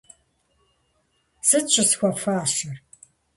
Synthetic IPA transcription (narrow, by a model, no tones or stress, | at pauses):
sɨt͡ʃʷʼɪsxʷɐfaːɕɐr